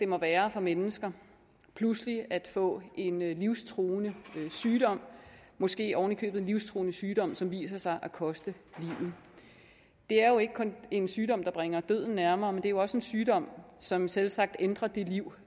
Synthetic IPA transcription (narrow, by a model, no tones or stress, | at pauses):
d̥e̝mɒ̽ʋæːɐfɒ̽menəsɡ̥ɐ | pʰlusliæd̥fɔ̰̽ːʔe̝nliʊst͡sʰʁoːnəsyːd̥ɒ̽m̰mɒ̽sɡ̥e̝̰ːɒʊnəkʰø̰ːb̥ð̩enliʊst͡sʰʁo̝ːnəsyːd̥ɒ̽m̰sɒ̽mʋḭːsɐsɑ̈ɪʔækʰɒ̽sd̥əliʊ̰ð̩ˠ | d̥e̝æɐjo̝e̝ɡ̥əkʰɔ̽ne̝nsyːd̥ɒ̽m̰d̥ɑ̈b̥ʁɛŋɐd̥øð̰ˠn̩næɐmɐːmend̥e̝æjo̝ɒ̽səe̝nsyːd̥ɒ̽m̰sɒ̽mselsɑ̈ɡ̥̚d̥end̥ʁɐd̥eliʊ̰